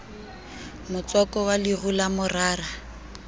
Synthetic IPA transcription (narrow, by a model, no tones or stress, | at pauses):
mʊt͡sɔkʼɔwalirʊlamʊraːra